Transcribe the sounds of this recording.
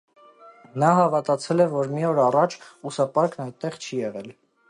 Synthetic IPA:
nɑɦɑvɑt̪ɑt͡sʰɛlɛvɔɾmiɔɾɑrɑt͡ʃʰusɑpɑɾknɑj̪t̪ːɛʁt͡ʃʰijɛʁɛl

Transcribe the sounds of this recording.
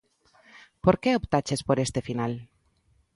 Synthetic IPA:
poɾkeopt̪at͡ʃespoɾest̪efinal

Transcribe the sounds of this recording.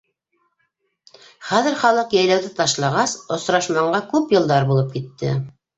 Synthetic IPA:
χæðɘ̆ɾχɑlˠɤqjæ̆jlæwðɘt̪ɑʃlˠɑʁɑsŏsɾɑʃmɑɴɢɑkʉpjɤ̆lˠd̪ɑɾbulˠɤp̚kit̪ːɘ̰

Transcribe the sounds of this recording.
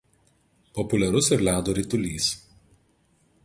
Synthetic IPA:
pɔpʊlʲɛɾʊsɪɾlʲæːd̪oːɾʲiːt̪ʊlʲiːs

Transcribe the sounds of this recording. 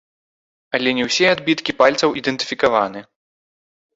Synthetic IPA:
ɐlʲɛnʲɛwsʲɛad̪bʲit̪kʲipalʲt̪sɐwid̪ɛnt̪ɨ̥fʲikava̰nɨ

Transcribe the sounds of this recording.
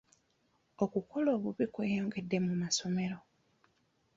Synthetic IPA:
okuko̞lo̞ːβuβikweːjo̞ːŋɡe̞dːe̞mumaso̞me̞ɾo

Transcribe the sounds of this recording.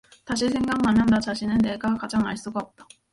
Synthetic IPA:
taɕ̬ʰis̬ʰe̞ŋɡaŋnanandat͡ɕaɕʰinɯnːe̞ɡakad͡ʑaŋa̰ɭs͈uɡaop̚t͈ḁ

